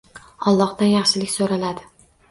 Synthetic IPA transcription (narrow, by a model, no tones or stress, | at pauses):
ɒlˠːɒχd̪anjɑχʃɪlɪkʲsoɾalad̪ɪ